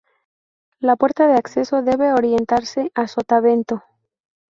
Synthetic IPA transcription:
lapwe̞ɾt̪aðe̞akse̞so̞ðe̞βe̞oɾje̞nt̪aɾse̞ʔasot̪aβe̞nt̪o

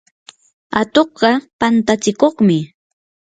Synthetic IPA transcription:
at̪oχɢɑpant̪at͡sɪkoχmɪ

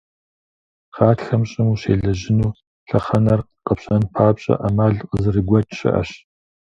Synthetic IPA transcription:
χaːtxɐmɕʼɪmuɕeːɮɐʑɪnuː | ɬɐχɐnɐr | qʼəpɕɐnpʰaːpɕʼɐ̰ʔɐmaːɮqəzɨrɨɡʷɐtʰɕɪ̰ʔɐ̰ɕ

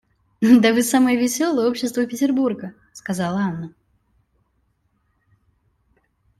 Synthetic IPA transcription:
d̪əvɨsaməjəvʲɪsʲo̞lˠəjəo̞pɕːɪst̪vəpʲɪtʲɪrburɡə | skɐzalˠəanːə

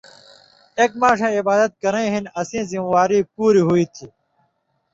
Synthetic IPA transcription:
ek̚maːʂʰẽːibaːd̪ɐt̪̚kɐɾẽɦinɐsĩːzimwaːɾiːpuːɾiɦuiːt̪ʰi

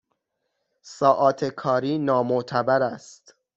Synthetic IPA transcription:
sɒːʔɒːt̪ʰe̞kʰɒːɾiːnɒːmoʔt̪ʰæbæɾæst̪

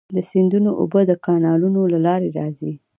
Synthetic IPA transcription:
d̪əsɪnd̪unoʔo̰bəd̪əkɑnɑlunolalɑɾeɾɑzi

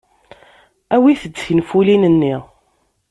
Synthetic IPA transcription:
æwiθədinfulinənːi

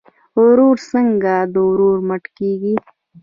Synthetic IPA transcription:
ʊɾuɾsəŋɡad̪əʊɾoɾməʈkeɡi

